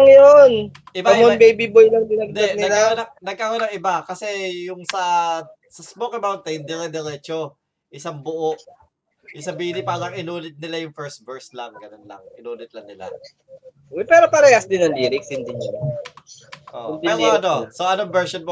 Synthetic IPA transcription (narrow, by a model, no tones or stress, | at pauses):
ŋjon | ʔɪbaɐmonbejbibojlɐŋb̪ɪnɐɡd̪ɐnɪɐlanɐnɐɡ̚kaɣɐnɐŋʔɪbakɐsɛjʊŋsɐ | sɐsmokɐmawnt̪ɛɪnd̪ɪŋɐd̪ɛɾɛt͡ʃo | ʔɪsaŋbʊʔoʔ | jʊŋsɐbiːhɪnɪpaːɣɐŋɪnuːnɪt̪̚nɪlajʊŋfɛɹst̪̚bɛɹslɐŋɡɐnonlɐ̰ŋʔɪnuːnɪt̪̚lɐŋnɪla̰ | ɛpɛːɾopɐɾɐjasd̪ɪnɐŋliːɾɪkshɪnd̪ɪnd͡ʒɐ | ʔo̰ʔ̪p̪iɛːɾoʔɐnosoʔɐnoŋbɛɹʃonmo